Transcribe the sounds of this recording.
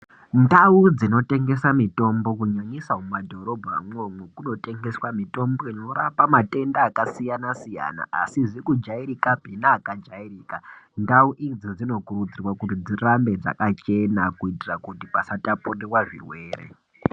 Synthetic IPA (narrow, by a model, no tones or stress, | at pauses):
ndaud͡zino̞te̞ŋɡe̞samito̞mbo̞kuɲoɲisamumadʱo̞ɾo̞bʱa̰mwomwekuno̞te̞ŋɡe̞swamito̞mbo̞ino̞ɾapamate̞ndaːkasijanasija̰na̰a̰siʐikud͡ʒaiɾikabʱinaːkad͡ʒairiːkandauʔid͡zod͡zino̞kurud͡zirwakutid͡zirambe̞d͡za̰kat͡ʃe̞nakuitirakutipasataporerwaʐḭrwe̞ːɾḛ